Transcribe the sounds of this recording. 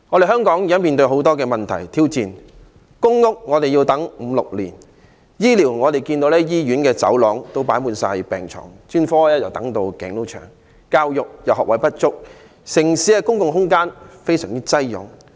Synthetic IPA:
ŋɔː˨˧e˨jɦœː˥ŋkɔː˨˥ŋji˨˥ɐ˥nmiː˨nt̪ɵ˧ɥɦo˨˥wt̪ɔː˥kɛː˧mɐ˨˩nt̪ʰɐ̰˨˩jt̪ʰiː˥wt͡siː˨n | kʊ˥ŋːʊ˥k̚ŋɔː˨˧t̪e˨ji˧wt̪ɐ˨˥ŋm̩˨˧lʊ˨k̚liː˨˩n | jiː˥liː˨˩wŋɔː˨˧t̪e˨jkiː˧nt̪o˧wlɛː˥jiː˥jyː˨˥nkɛː˧t͡sɐ̰˨˥wlɔː˨˥ŋt̪o˥wpaː˨˥nmuː˨˧nsa̰ː˧jpɛː˨ŋt͡ʃʰɔ̰ː˨˩ŋt͡ʃyː˥nfɔː˥lɛː˥jɐ˨˩wt̪ɐ˨˥ŋt̪o˧wkɛː˨˧ŋlo˥wt͡ʃʰœ̰ː˨˩ŋ | kaː˧wjʊ˨k̚jɐ˨˩wɦɔː˨kwɐ˨˥jpɐ˥t̚t͡ʃʊ˥k̚ | sɪ˨˩ŋsiː˨˥ɛ˧kʊ˥ŋkʊ˧ŋɦʊ˥ŋkaː˥nfe˥jsœ̰ː˨˩ŋt̪i˥t͡sɐ˥jjʊ̰˨˥ŋ

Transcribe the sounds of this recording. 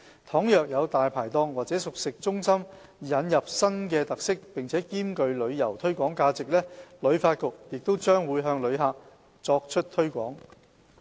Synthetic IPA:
t̪ʰɔː˨˥ŋjœː˨˩k̚jɐ˨˧wt̪aː˨jpʰaː˨˩jt̪ɔː˧ŋwaː˨t̚t͡sɛː˨˥sʊ˨k̚sɪ˨k̚t͡sʊ˥ŋsɐ˥m | jɐ˨˧njɐ˨p̚sɐ˥nkɛː˧t̪ɐ˨k̚sɪ˥k̚pɪ˨ŋt͡sʰɛː˨˥kiː˥mkɵ˧ɥlɵ˨˧ɥjɐ˨˩wt̪ʰɵ˥ɥkʷɔː˨˥ŋkaː˧t͡sɪ˨k̚lɛː˥lɵ˨˧ɥfaː˧t̚kʊ˨k̚jɪ˨k̚t̪o˥wt͡ʃœː˥ŋwuː˨˧jɦœː˧ŋlɵ˨˧ɥɦaː˧k̚ | t͡sɔː˧k̚t͡ʃʰɵ˥t̚t̪ʰɵ˥ɥkʷɔ̰ː˨˥ŋ

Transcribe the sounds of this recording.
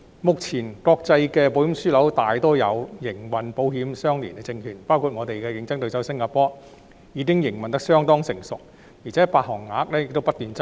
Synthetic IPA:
mʊ˨k̚t͡sʰiː˨˩nkɔː˧k̚t͡sɐ˧jkɛː˧po˨˧˥wjsyː˥lɐ˨˥wt̪aː˨jt̪ɔː˥jɐ˨˧wjɪ˨˩ŋwɐ˨npo˨˥wɦiː˨˥msœː˥ŋlḭː˨˩nkɛ˧t͡sɪ˧ŋkʰyː˨˩npaː˥wkʰuː˧t̚ŋɔː˨˧t̪e˨jkɛː˧jɪ˨˧˥ŋt͡sɐ˥ŋt̪ɵ˧jsɐ˥wsɪ˥ŋkaː˧pɔː˥ | jiː˨˧kɪ˥ŋjɪ˨˩ŋwɐ˨nt̪ɐ˥ksœː˥ŋt̪ɔː˥ŋsɪ˨˩ŋsʊ˨k̚ | jiː˨˩t͡sʰɛː˨˥paː˧k̚ɦɔː˨˩ŋːaː˨˧˥ɐ˥k̚lɛ˥jɪ˨kt̪o˥wpɐ˥t̚t̪yː˨˧nt͡sɐ˥

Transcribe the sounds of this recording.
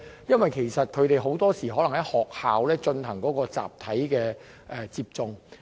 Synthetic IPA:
jɐ˥nwɐ˨jkʰe˨˩jsɐ˨t̚kʰɵ˨˧ɥt̪e˨jɦo˨˥wt̪ɔː˥siː˨˩ɦɔː˨˥lɐ˨˩ŋhɐ˨˥jhɔː˨k̚haː˨wlɛː˥t͡sɵ˧nhɐ˨˩ŋkɔː˨˥kɔː˧t͡sa̰ː˨p̚t̪ʰɐ˨˥jkɛː˧ | ʔɛ˨˧t͡siː˧p̚t͡sʊ˧ŋ

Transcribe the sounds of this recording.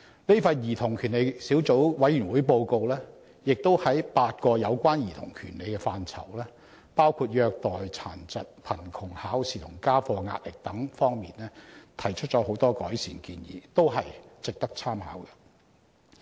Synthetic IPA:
le˥fɐ˧jjiː˨˩t̪ʰʊ˨˩ŋkʰyː˨˩nle˨˧jsiː˨˥wt͡so˨˥wwɐ˨˥jyː˨˩nwuː˨˥jpo˧wko˧wlɛː˥ | jɪ˨k̚t̪o˥whɐ˨˥jpaː˧t̚kɔː˧jɐ˨˧wkʷaː˥njiː˨˩t̪ʰʊ̰˨˩ŋkʰyː˨˩nle˨˧jkɛː˧faː˧nt͡sʰɐ̰˨˩wlɛː˥ | paː˥wkʰuː˧t̚jœː˧k̚t̪ɔː˨jt͡sʰaː˨˩nt͡sɐ˨t̚pʰɐ˨˩nkʰʊ˨˩ŋhaː˨˥wsiː˨t̪ʰʊ˨˩ŋkaː˥fɔː˧ŋa̰ː˧t̚lɪ˨k̚t̪ɐ˨˥ŋfɔː˥ŋmiː˨nlɛː˥t̪ʰɐ˨˩jt͡ʃʰɵ˥t̚t͡ʃɔː˨˥ho˨˥wt̪ɔː˥kɔː˨˥jsiː˨˩nkiː˧njḭː˨˥t̪o˥wɦɐ˨jt͡sɪ˨k̚t̪ɐ˥k̚t͡sʰaː˥mha̰ː˨˥wkɐ˧

